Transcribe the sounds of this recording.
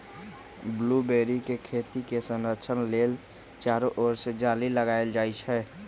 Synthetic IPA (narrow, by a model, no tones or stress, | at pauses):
blubeːɾikekʰeːt̪ikesənɾət͡ʃʰənleːl | t͡ʃaːɾoʔoːɾsd͡ʒaːliləɡaːeld͡ʒaːit͡ʃɦɛː